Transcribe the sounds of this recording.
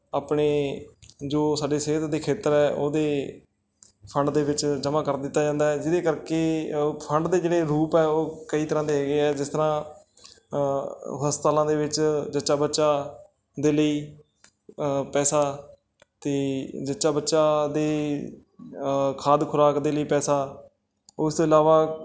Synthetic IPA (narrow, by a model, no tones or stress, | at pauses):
aːpɳeː | d͡ʒoːsaːɖeːseːt̪d̪eːkʰeːt̪əɾɛːʔoːd̪eː | pʰəɳɖd̪eːʋɪt͡ʃd͡ʒəmãːkəɾd̪ɪt̪ːaːd͡ʒãːnd̪aːɛːd͡ʒɪd̪eːkəɾkeːpʰəɳɖd̪eːd͡ʒeːɽeːɾuːpɛːoːkəiːt̪əɾãːd̪eːɦːɡeːɛːd͡ʒɪst̪əɾãː | ɦəst̪aːlãːd̪eːʋɪt͡ʃd͡ʒətːʃaːbətːʃaː | d̪eːləiː | pɛːsaː | t̪eːd͡ʒətːʃaːbətːʃaːd̪eː | kʰaːd̪kʰʊɾaːkd̪eːləiːpɛːsaː | ʊɪst̪õːɪlaːʋaː